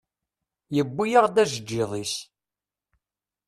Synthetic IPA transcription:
jəbːijaʁd̪æʒəd͡ʒːiðˤis

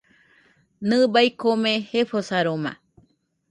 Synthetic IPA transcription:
nɨ̃bajkomẽheɸosaɾomã̰

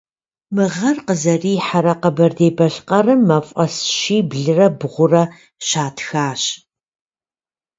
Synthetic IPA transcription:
mɨʁɐrqəzɐriːħaɾɐqəbɐrdeːbɐɬqɐrɨmːɐfʼɐsʃiːbɮɨrɐbʁʷʊrɐ | ɕaːtʰxaːɕ

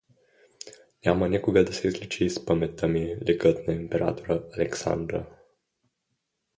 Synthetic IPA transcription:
nʲamɐnʲɛkoɡəd̪ɐsɛizlʲit͡ʃiːspəmɛt̪ːəmilʲɛkət̪naimpɛɾa̰t̪oɾəɐlɛksa̰nd̪ɾə̰

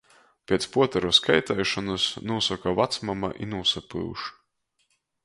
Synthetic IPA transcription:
pʲiɛt̪spuɔt̪aɾuskajt̪ɛjʃɔnɨsnuɔsɔkavat̪smama̰ʔḭnuɔsapɨ̰wʃ

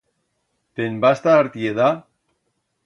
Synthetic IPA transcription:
t̪enbast̪aːɾt̪ieða

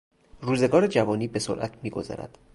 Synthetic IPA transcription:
ruːze̞ɡɒːɾed͡ʒævɒːniːbe̞so̰ɾʔæ̰t̪ʰmiːɡo̞̰zɒ̰ːɾæ̰d̪̥

